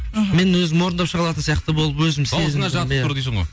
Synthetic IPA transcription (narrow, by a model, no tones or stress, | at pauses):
me̞nwɵzɪmwo̞ɾənd̪ɑpʃəʁɑlˠɑt̪ənsijɑqt̪əbolˠəpwɵzɪmse̞zɪnɑʒmjæɾd̪isəɴʁo̰j